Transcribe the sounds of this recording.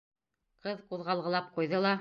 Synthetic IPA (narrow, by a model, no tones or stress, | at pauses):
qɤðquðʁɑlˠʁɤ̆lˠɑp̚qujðɤlˠɑ